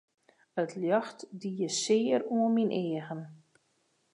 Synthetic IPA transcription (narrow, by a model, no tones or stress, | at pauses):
ətʰljɔxtdiəsɪːəɾuənminʔɪːəɣən